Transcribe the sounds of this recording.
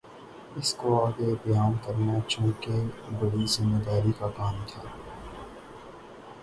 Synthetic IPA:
ɪskoaːɡebjaːnkɐɾnat͡ʃõːkebɐɽizɪmːed̪aːɾikakaːnt̪ʰaː

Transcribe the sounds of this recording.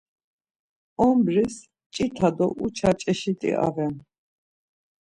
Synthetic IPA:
ɔmbɾis | t͡ʃʼit̪ʰad̪ɔʔut͡ʃʰat͡ʃʼɛʃit̪ʼḭʔa̰vɛn

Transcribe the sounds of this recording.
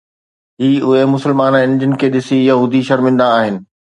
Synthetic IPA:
ɦiːʊɦemʊsəlmaːnə̃ɪ̃nd͡ʑɪn̆kʰeːɗɪsijɐɦuːd̪ʱiʃɐɾmɪ̃nd̪aːɦɪnɪ̆

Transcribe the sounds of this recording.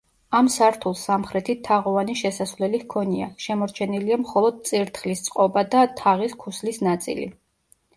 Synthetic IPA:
amsaɾt̪ʰulˠsamχɾɛt̪ʰit̪ʰaʁɔvaniʃɛsasvlɛlihkʰɔnia̰ʃɛmɔɾt͡ʃʰɛniliamχɔlˠɔd̪̚t̪sʼiɾt̪ʰχlist̪sʼqʼɔbad̪at̪ʰaʁiskʰuslisnat̪sʼḭlḭ

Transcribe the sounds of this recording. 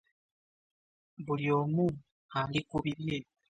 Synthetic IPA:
buljomu | alikuβiɾje

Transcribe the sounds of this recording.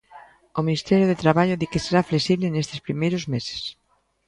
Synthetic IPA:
ominist̪ɛɾjoðet̪ɾaβaʎʊðikɪseɾafleksiβlenest̪ɪspɾimejɾozmese̥s

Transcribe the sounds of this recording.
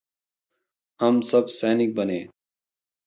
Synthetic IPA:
ɦhəmsəbsɛːnɪk̚bəneː

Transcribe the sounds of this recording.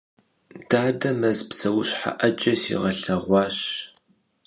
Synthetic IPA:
d̥aːdɐmɐzpsɐwʊɕħa̰ʔɐd͡ʒʼɐsḭːʁɐɬɐʁʷɑːɕ

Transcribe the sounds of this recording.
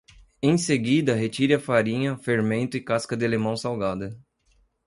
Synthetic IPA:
ẽj̃seɡid̪ɐɦet͡ʃiɾɐfaɾĩɲɐfeɾmẽnt̪ʊɪkaskɐd̪ɪalemɐ̃w̃sawɡad̪ɐ

